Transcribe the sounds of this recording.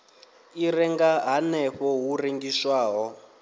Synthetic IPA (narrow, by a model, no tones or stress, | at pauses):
iɾɛŋɡaɦanɛɸɔɦureŋɡiʃwaːɦɔ